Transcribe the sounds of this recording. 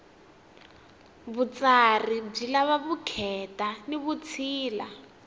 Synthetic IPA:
βut͡sarib͡ʐilaβaβukʰɛtaniβut͡sʰiːla̰

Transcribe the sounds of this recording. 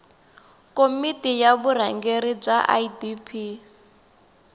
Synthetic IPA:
komitʼijaβuɾaŋɡeɾib͡ʐaʔa̰dipʰi

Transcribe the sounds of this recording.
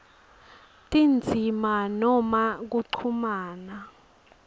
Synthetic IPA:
tʼind͡zʱimanɔmak̬uǀʰumaːna

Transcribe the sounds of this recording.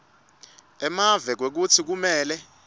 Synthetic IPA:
ɛmavɛk̬wek̬utʰik̬umɛːlɛ

